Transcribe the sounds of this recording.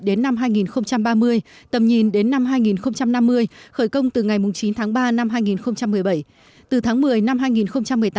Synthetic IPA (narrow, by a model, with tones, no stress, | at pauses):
ɗe˨˦nːa˧mɦaː˧jŋi˨˩nxə˧wŋ͡mt͡ɕa˧mɓaː˧mɨ˧əjt̪ə˨˩mɲi˨˩nɗe˨˦nːa˧mɦaː˧jŋi˨˩nxə˧wŋ͡mt͡ɕa˧mna˧mːɨ˧əjxəː˧˩jkə˧wŋ͡mt̪ɨ˨˩ŋa˨˩jmʊ˨˩ŋ͡mt͡ɕi˨˦nt̪ʰaː˨˦ŋɓaː˧na˧mɦaː˧jŋi˨˩nxə˧wŋ͡mt͡ɕa˧mːɨ˨˩əjɓə˧˩j | t̪ɨ˨˩t̪ʰaː˨˦ŋmɨ˨˩əjna˧mɦaː˧jŋi˨˩nxə˧wŋ͡mt͡ɕa˧mːɨ˨˩əjt̪